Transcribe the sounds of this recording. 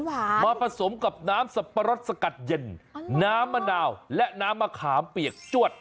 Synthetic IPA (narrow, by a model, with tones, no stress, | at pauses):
maː˧pʰa˧so˩˦mka˨˩p̚naː˦˥msa˨˧pːa˧ɾo˦˥t̪̚sa˧ka˨˩t̪̚je˧nnaː˦˥mːa˧naː˧wlɛ˦˥ʔnaː˦˥mːaː˧kʰaː˩˦mpi˨˩ək̚t͡ɕu˥˩ət̪̚